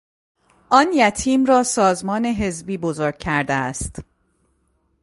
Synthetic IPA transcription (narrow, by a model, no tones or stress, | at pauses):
ʔɒːnjæt̪ʰiːmɾɒːsɒːzmɒːne̞ɦe̞zbiːbozoːɾɡ̥̚cʰæɾd̪eæst̪